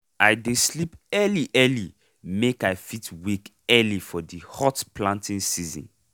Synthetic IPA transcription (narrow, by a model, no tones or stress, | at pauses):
aɪdeslipɛliʔɛli | mekaɪfitwik | ɛlifɔdihɔtplãntĩnsizɔ̰̃n